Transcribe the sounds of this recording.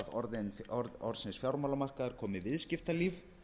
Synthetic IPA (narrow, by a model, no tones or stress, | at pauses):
ðɔɾðɪnɔɾɔɾðsɪnsfjawɾmawlamar̥kaðaɾ̥kʰɔːmɪvɪðscɪft̪aliːv